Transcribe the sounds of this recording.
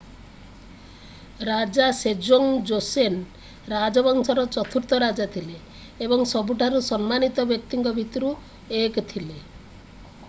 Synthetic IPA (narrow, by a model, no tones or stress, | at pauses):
ɾad͡ʒased͡ʒoŋd͡ʒosen | ɾad͡ʒɔbɔŋsɔɾɔt͡ʃɔt̪ʰuɾt̪ɔɾad͡ʒat̪ʰileː | bɔŋsɔbuʈʰaɾusɔnmanit̪ɔbjɔk̚t̪iŋkɔbʱit̪ɔɾu | ekt̪ʰile